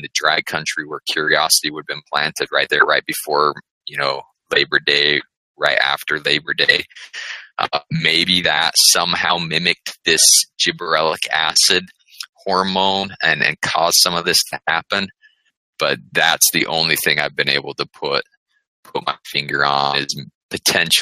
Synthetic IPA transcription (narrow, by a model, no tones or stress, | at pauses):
nðɨdɹaɪd̚kʰʌ̃nt͡ʃɹ̥iwə˞kʰj̥ʊɹiɑsəɾiwədɨvbɨ̃npʰl̥æ̃ntʰɨd̚ɹaɪt̪̚ðə˞ɹaɪt̚b̥ɨfɔɹ | jɨnoʊ | leɪbə˞deɪ | ɹaɪɾæ̰ftə˞leɪbə˞deɪ | ʔʌmeɪbiðɨtsʌ̃mhaʊmɪ̃mɨk̚tðɪsd̥ʒ̥ɨbə˞ɛlˠəkʰæsɨd̚ | hɔɹmõʊ̃nɨ̃nɨ̰̃nkʰɔz̥sʌ̃mʌvðɪstʰɨhæpɨ̃n | b̥ʌt̪̚ðætsðiʔõ̰ʊ̃nliθɪ̃ŋaɪvbɨ̃neɪbl̩ˠtəpʰʊt̚ | pʰʊt̚ma̰ɪfɪ̃ŋɡə˞ə̃ɪz̥pʰɨtʰɛ̃nʃ